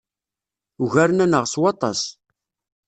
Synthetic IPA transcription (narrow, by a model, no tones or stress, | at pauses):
uʝæɾnænəʁswɑt̪ˤɑ̰s